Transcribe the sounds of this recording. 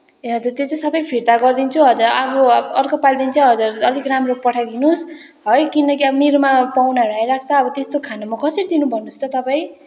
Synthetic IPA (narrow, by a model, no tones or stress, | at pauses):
ɦʌd͡zurt̪jot͡saj̃sʌbʌjpʰiɾt̪aɡʌrd̪int͡sʰuɦʌd͡zuɾʌbʌʌrkopald̪int͡sʰʌɦʌd͡zurʌd̪ikramropʌʈʰad̪inus | ɦʌjkinʌkiʌbʌnirmapawnaɾajɾakʰt͡sʰʌːbʌt̪est̪okʰanamakʰʌsʌɾid̪inubʱʌnust͡s̪ʰʌt̪ʌpaĩ